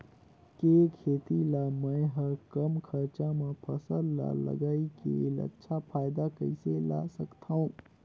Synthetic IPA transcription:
kekʰeːt̪ilaməɦəkəmkʰəɾt͡ʃamepʰəsəlla̰lə̰ɡaːikḛlə̰tːʃʰapʰaːjd̪akəɪsela̰səkt̪ʰaũ

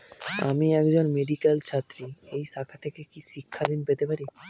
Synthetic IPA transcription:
a̰miɛkd͡ʑonmeɖikelt͡ɕʰat̪ːɾiejʃakʰat̪ʰekekiʃikʰːad̪inpet̪epaɾi

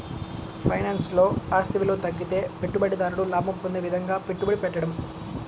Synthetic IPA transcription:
pʰɐjnaːnslo̞ːaːst̪ɐʋilo̞ːt̪ɐɡːit̪e̞ːpeʈːubɐɽid̪aːɾuɽulaːmɐpːond̪eːʋid̪ʱɐŋɡaːpeʈːubɐɽipɛʈːɐɽɐm

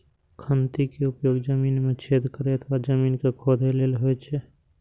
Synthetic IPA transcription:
kʰənt̪ikeʊpjoːɡd͡ʒəmiːnmẽt͡ʃʰeːd̪kəɾeət̪ʰʋad͡ʒəmiːnkekʰod̪ʱeleːlɦoet͡ʃʰɛ

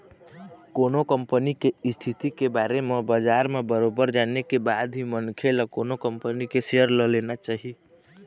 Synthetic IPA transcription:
koːnokəmpənikeist̪ʰit̪ikebaɾemebəd͡ʒaɾmebəɾobəɾd͡ʒanekebad̪ɦimənkʰeləkonokəmpənikeseəɾləlenat͡ʃaɦi

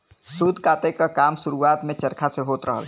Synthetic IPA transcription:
sud̪ʱkaːt̪ekakaːmsuɾuaːt̪mẽt͡ʃəɾkʰaseɦoːt̪ɾəɦə̰l

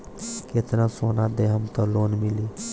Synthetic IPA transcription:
ket̪nãsoːnad̪eɦəmt̪ɔloːnmɪliː

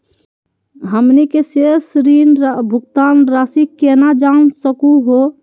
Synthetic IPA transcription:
ɦəmnikesesɾinbʱʊkt̪anɾasikenad͡ʒansəkuɦo

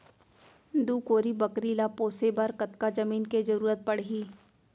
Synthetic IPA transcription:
d̪uːkoːɾibɐkɾiːlapoːsebɐɾkɐt̪kad͡ʒɐmiːnked͡ʒɐɾuːɾət̪̚pɐɽɦiː

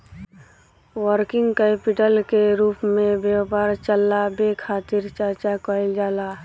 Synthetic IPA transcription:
wəɾkɪ̃ŋɡkeːpɪʈəlkeɾuːpmẽbjepaːɾt͡ʃəlːabekʰaːt̪ɪɾt͡ʃəɾt͡ʃakəɪld͡ʒaːlaː

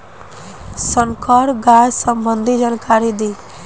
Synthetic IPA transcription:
səŋkʰɔɾɡajsəmbənd̪ʱid͡ʒənkʰaɾid̪i

